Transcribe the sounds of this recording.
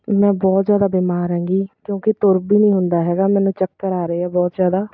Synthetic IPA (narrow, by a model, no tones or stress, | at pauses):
mɛ̃ːbɔːt̪zjaːd̪aːbiːmaːɾɦɛ̃ːŋɡiːkjõːkɪt̪ʊɾbiːnĩːɦʊnd̪aːɦɛːɡaːmɛːnũːt͡ʃək̚ːəɾaːɾəeːɛːbɔːt̪zjaːd̪aː